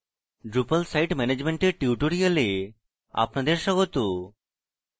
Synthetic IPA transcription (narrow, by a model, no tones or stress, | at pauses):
ɖɾupalsajʈmɛned͡ʑmeɳʈeɾʈiuʈoɾiale | a̰pnad̪eɾʃɔɡot̪o